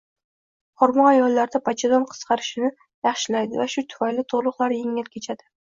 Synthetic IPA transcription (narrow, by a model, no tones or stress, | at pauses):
hɒɾmɒajɒlˠːaɾd̪apʰat͡ʃʰɪd̪ɒnqʰɨ̥sqʰɑɾɪʃɪnɪ | jɑχʃɪlajd̪ɪvaʃʊt̪ʰʊ̥fajlɪt̪ʰoʁlˠʊqlˠaɾjeŋɪlkʲʰe̞t͡ʃʰad̪̥ɪ̥